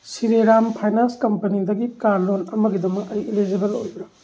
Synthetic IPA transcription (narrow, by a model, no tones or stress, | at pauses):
siɾeɾampʰajnanskɐmpɐnidɐɡikaɾlonɐmɐɡidɐmɐk̚ɐjilid͡ʒibelo̰jbɾɐ